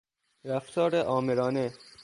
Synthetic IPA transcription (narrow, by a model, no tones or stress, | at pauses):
ɾæft̪ʰɒːɾeʔɒːmeɾɒːne